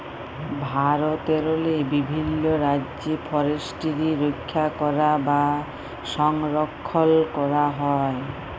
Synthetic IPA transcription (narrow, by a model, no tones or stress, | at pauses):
bʱaɾot̪eɾolebibʱinːoɾadd͡ʑepʰɔɾeʃʈiɾiɾokʰːakɔɾaba | ʃɔŋɾɔkʰːolkɔɾaɦɔe